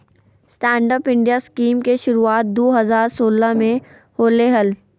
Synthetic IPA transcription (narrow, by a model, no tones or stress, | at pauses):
sʈɛ̃ːɳɖəpɪ̃ɳɖijaskiːmkeʃʊɾuaːt̪̚d̪oːɦɐzaːɾsoːləmẽ | hoːleɦəl